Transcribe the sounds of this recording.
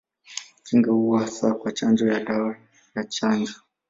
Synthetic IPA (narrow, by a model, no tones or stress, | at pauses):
kiŋɡauasakwat͡ʃand͡ʒɔjaɗawa | jat͡ʃand͡ʒɔ